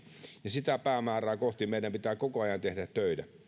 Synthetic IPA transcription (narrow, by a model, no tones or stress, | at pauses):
jɑsit̪æpæːmæːrˑæːkoht̪imeˑidæmpit̪æːkokoɑjɑnt̪ehɾæt̪t̪øˑitæ